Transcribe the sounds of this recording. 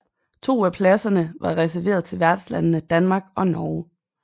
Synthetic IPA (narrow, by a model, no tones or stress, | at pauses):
t͡sʰo̝̰ːæpʰlæsɐnəʋɑ̈ʁɛs̬æɐʋe̝ːɐð̞̩ˠt͡sʰe̝lʋæɐd̥slænənəd̥ænmɑ̈ːɡ̥ɒ̽nɒː